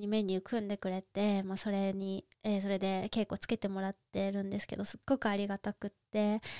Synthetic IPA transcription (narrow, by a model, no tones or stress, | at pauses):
ɲime̞ɲ̟iɯ̟kʰɯ̟̃nd̪e̞kɯ̟ɾe̞t̪e̞moːso̞ɾe̞ɲ̟ieso̞ɾe̞d̪e̞ke̞ːkːo̞ːt͡sɨ̥ke̞t̪e̞mo̞ɾat̪ːe̞ɾɯ̟̃nd̪e̞sɨ̥ke̞̰d̪o̞sɨɡ̥ːo̞kɯ̟aɾʲiɡat̪akɯ̟t̪ːe̞